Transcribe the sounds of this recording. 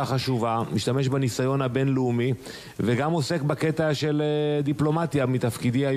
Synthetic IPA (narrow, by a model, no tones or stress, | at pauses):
aχaʃuvamiʃt̪ame̞ʃbanisajo̞nhabe̞nleumi | veɡamo̞se̞kbake̞t̪aʃe̞led̪iplo̞mat̪jamit̪afkidia